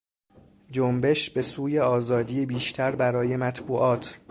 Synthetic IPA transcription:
d͡ʒombe̞ʃbe̞suːjeɒːzɒːd̪iːjebiːʃt̪ʰæɾbæɾɒːje̞mæt̪ʰbuːʔɒːt̪ʰ

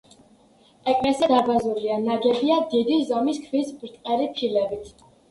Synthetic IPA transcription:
ɛkʼnɛsɛd̪abazuɾianaɡɛbiad̪id̪izɔmiskʰvispʼɾt̪ʼqʼɛɾipʰilɛbit̪ʰ

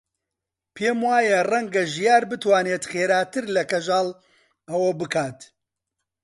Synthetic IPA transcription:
pʰeːmwaːjɐrɐŋɡɐʒijaːɾbɨt̪waːneːt̪xeːɾaːt̪ɨɾlɐkɐʒaːl | ɐwɐbɨkʰaːt̪

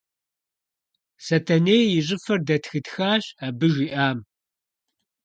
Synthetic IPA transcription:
sɐtʰɐneːjɪɕʼɪfɐrdɐtxɨtxaːɕabɨʒʷiːʔaːm

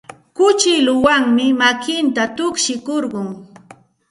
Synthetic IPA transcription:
kʊt͡ʃɪlʊwaŋmɪmakɪnt̪at̪ʊkʃɪkoɾɢʊŋ

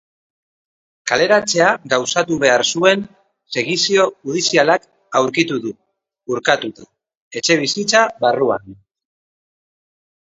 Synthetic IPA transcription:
kale̞ɾat͡se̞aɣawsat̪uβe̞aɾsue̞n | se̞ɣisio̞uð̞isialak | awɾkit̪uðuː | ɾkat̪ut̪a | e̞t͡ʃe̞β̞isit͡saβarua̰n

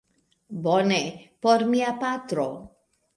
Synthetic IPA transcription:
bɔnepɔɾmiapat̪ɾɔ

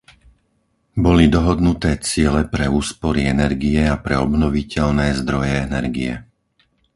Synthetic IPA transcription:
bɔlid̪ɔɦɔd̪nut̪ɛːt͡sɪɛlɛpɾɛuːspɔɾiɛnɛɾɡiɛapɾɛɔbnɔʋicɛʎnɛːzd̪ɾɔjɛɛnɛɾɡiɛ

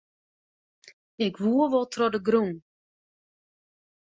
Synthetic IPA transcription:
ɪkʋuəʋɔlˠtrɔdəɡrun

